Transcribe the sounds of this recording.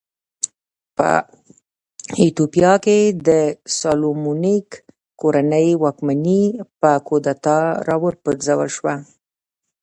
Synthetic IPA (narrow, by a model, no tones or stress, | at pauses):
pə̰ | it̪opijɑked̪əsɑlomunik | kːoɾanəjwɑkmanipəkod̪at̪ɑɾɑwəɾpət̪zawə̰lʃwa